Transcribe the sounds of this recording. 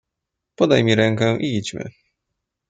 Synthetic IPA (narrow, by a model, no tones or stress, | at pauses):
pɔd̪ajmʲiɾɛŋkɛ̃ʔiit͡ɕmɘ̰